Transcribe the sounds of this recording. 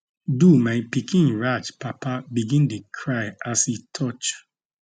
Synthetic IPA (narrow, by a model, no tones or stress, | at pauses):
dumaɪpikĩnɹad͡ʒpapabiɡĩndekʰɹaɪasitʰɔt͡ʃ